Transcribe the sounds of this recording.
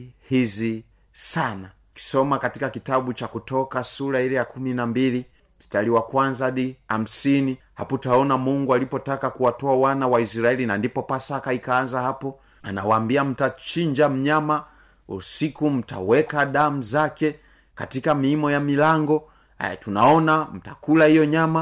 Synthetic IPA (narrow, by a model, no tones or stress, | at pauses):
hizi | sana | ki̥sɔmakatikakitaɓut͡ʃakutɔkasuɾailɛjakuminambili | staliwakwanzaɗiam̩sini | ha̰putaɔnamuŋɡualipɔtakakuwatɔawanawaisɾaɛlinandipɔpasakaikaanzahapɔ | ana̰waːmbiam̩tat͡ʃiɲd͡ʒam̩ɲama | ṵsikum̩ta̰wɛkaɗam̩zakɛ | ka̰tikamiːmɔjamilaŋɡɔ̰ | tunaɔnam̩ta̰kulahijɔɲama